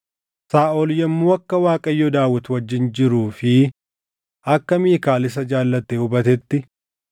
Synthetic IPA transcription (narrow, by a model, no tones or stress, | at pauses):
saːʔɔljɛmːuːɐkːɐwaːkʼɐjːɔd̪aːwːɐt̪wɐd͡ʒːɪnd͡ʒɪɾuːfɪ | ʔɐkːɐmiːkaːlɪs̬ɐd͡ʒaːlːɐt̪ːeʊbɐt̪ɛt̪ːɪ